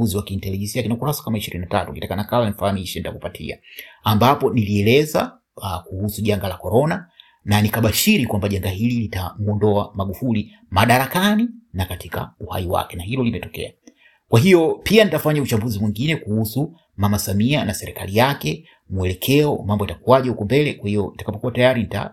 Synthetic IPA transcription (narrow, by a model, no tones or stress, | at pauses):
uziwakiːntɛlɛʄɛnsiakinaukuɾasḁkamaiʃiɾḭninatatukitakanakawanifahamiʃɛnitakupatʰḭa̰ambapɔniliɛlɛza̰ | kuhusuʄaŋɡalakɔɾɔna | nanikaɓaʃiɾikwambaʄaŋɡaɦililitamuɔndɔamaɠufuli | maɗaɾakaninakatʰika̰uha̰iwa̰kɛnahilɔlimɛtɔkɛ̰a | kwaɦijɔpianitafaɲaut͡ʃambuzimwiŋɡinɛkuhusu | mamasamianasɛɾɛka̰lijakɛ | muɛlɛkʰɛɔmambɔjatakuwaʄaukɔmbɛlɛkwahijɔnitakapɔkuwatajaɾinita̰